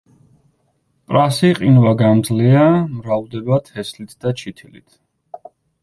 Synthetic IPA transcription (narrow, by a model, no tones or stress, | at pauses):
pʼɾasiqʼinvaɡamd̪zliamɾavd̪ɛbat̪ʰɛslit̪ʰd̪̥at͡ʃʰit̪ʰilḭt̪ʰ